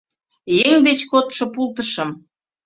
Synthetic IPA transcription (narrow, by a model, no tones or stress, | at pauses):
jeŋd̪et͡ɕkot̪ʃŏpulˠt̪əʃə̆m